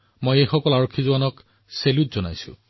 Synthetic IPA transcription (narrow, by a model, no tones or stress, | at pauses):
mojejxɔkɔlaɹokʰːizuwanɔk | selutzɔna̰jsʊ̰̃